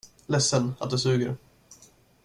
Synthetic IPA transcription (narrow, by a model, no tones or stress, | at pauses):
lɛsːəna̰t̪̚d̪ɛsʉ̟ːɡəɾ